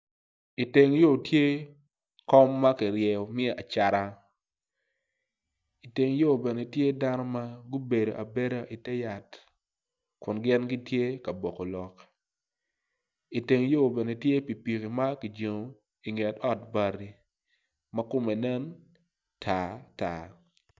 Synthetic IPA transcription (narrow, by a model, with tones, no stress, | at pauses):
i˨te˨ŋjo˦˨tje˦ | kɔ˦mːa˦kɪ˨ɾjɛ˨o˨mɪ˦e˦˨a˨t͡ʃa˨ɾa˦ | i˨te˨ŋjo˦˨bɛ˨ne˨tje˦da˦nɔ˦ma˦ɡu˦be˨do̰˨ʔa˨be˦ɾa˦ʔi˨tɛ˦ja˨t | kʊ˨nɡɪ˦nɡi˦tje˦ka˨bo˨ko˨lɔ˨k | i˨te˨ŋ˦jo˦˨bɛ˨ne˨tje˦pi˨pi˨ki˨ma˦ki˨d͡ʒe˨ŋo˨ | i˨ŋe˨tɔ˦t̚ba˨ɾi˦ | mɐ˦kʊ˦me˨nɛ˦n | tʰa˨ta̰˨